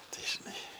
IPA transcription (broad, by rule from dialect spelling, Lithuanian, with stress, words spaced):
ˈtɐɪ ʒʲɪˈnɐɪ